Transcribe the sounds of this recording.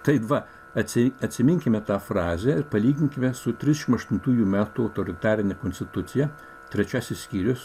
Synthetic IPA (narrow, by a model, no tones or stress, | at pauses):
t̪ɐɪtʋɐ | ɐt̪ʲsʲɪɐt̪ʲsʲɪmʲɪŋʲkʲɪmʲɛt̪ɑːfɾɑːzʲɛɪɾpɐlʲiːɡʲɪŋʲkʲɪmʲɛsʊt̪ʲɾʲɪzʲdʲɛʃʲɪmɐʃt̪ʊnt̪uːjuːmʲæːt̪uɐʊt̪oːɾʲɪt̪ɑːɾʲɪnʲɛkonʲsʲt̪ʲɪt̪ʊt̪sʲɪjɛ | t̪ʲɾʲɛt͡ʃʲæːsʲɪssʲkʲiːɾʲʊs